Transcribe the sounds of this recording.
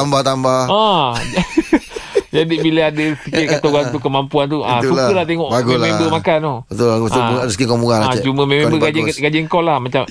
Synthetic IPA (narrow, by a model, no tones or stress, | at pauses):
ambaht̪ambaha | d͡ʒadiʔbiləadəsikɪt̚kat̪oɣat̪̬ukːəmampuant̪uʔãsukəlaht̪eŋɔʔaɡulmẽmbəmakanobət̪ʊlbətʊuadəsə̥kɪt̪̚kɔmuŋaãt͡ʃumə̃mẽmebəɡad͡ʒɡad͡ʒəŋkɔʔlahmat͡ʃam